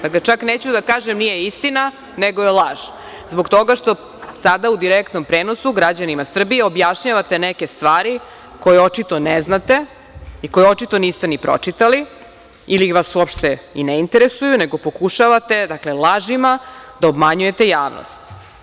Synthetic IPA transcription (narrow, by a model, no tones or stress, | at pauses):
d̪aklet͡ʃakneːt͡ɕud̪akaːʒemnijeist̪ina | neɡoelˠaʒ̥ | zbokt̪o̞ɡaʃt̪o | sad̪aud̪iɾekt̪nompɾeːno̞suɡɾad͡ʑanimasr̩bijeo̞bjaʃɲaʋat̪e̞neke̞st̪ʋaːɾi | ko̞jeo̞t͡ʃit̪o̞neznat̪e | iko̞jeot͡ʃit̪o̞niːst̪enipɾo̞̰t͡ʂit̪ali | iliʋasuopʃt̪eineint̪eɾesujuneɡo̞po̞kuʃaʋat̪e̞d̪aklelaʒimad̪aobmaɲuje̞t̪e̞jaːʋno̰st̪